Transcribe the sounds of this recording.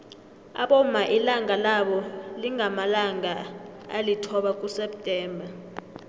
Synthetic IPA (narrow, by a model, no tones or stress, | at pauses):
a̰ɓɔmaʔilaŋʱalaɓɔliŋʱamalaŋaa̰litʰɔɓak̬ʼusɛptʼɛːmbʱa